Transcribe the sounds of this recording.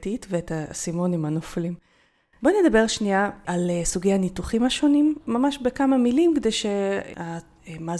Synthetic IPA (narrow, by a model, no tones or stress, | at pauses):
titveetasimo̞nimanoflim | boned̪abe̞ʁʃniaʔalsuɡejhanituχimaʃo̞nimːamaʃbekamamilimked̪ejʃea | ma